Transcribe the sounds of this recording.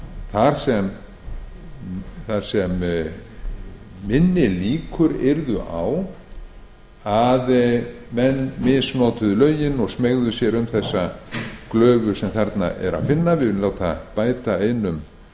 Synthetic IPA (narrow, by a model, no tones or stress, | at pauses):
θaɾ̥sɛm | θaɾ̥sɛm | ɪnːɪliːkʰʏɾḛɾðʏʔa̰w | aðmɛnːmɪsnoːwt̪ʏðʏlœːɥjɪnɔɣsmeɣðʏsjɛɾʏmθɛsːaklœːvʏ̥sɛmθɛɾt̪na̰ʔɛ̰ɾa̰ðfɪnːavɪlaːwt̪apaːjt̪aejnʏm